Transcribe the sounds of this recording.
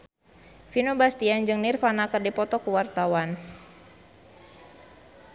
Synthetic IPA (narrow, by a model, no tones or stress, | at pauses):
finubast̪iand͡ʒɨŋnirfanakɨrdipɔt̪ɔkuwart̪awan